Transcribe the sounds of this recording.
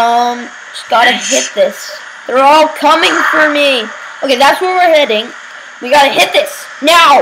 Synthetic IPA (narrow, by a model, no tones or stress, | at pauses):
ʌ̃m | ʃi̥ɡɑɾɨɦɪt̪̚ðɪs | ðə˞ɔlˠkʰʌmɪ̃ŋfə˞mi | ʔoʊkeɪðætswə˞wɪɹhɛɾɪ̃ŋ | wiɡɑɾɨhɪt̪̚ðɪs | naʊ